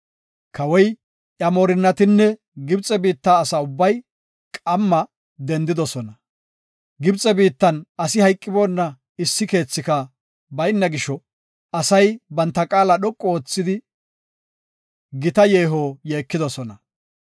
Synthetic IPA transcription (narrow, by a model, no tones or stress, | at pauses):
kʰɐwɔj | ʔjɐmoːɾɪnːɐt̪ɪnːɛ | ɡɪbt͡sʼɛbiːt̪ːaːsɐʊbːɐj | kʼɐmːɐ | d̪ɛnd̪ɪd̪ɔsɔnɐ | ɡɪbt͡sʼɛbiːt̪ːɐnɐsɪhɐjkʼːɪboːnːɐ | ɪsːɪke̞ːt͡sːɪkɐ | bɐjnːɐɡɪʃɔ | ɐsɐjbɐnt̪ːɐkʼaːlɐɗɔkʼːɔoːt͡sːɪd̪ɪ | ɡɪt̪ɐje̞ːɦojeːkːɪd̪ɔsɔnɐ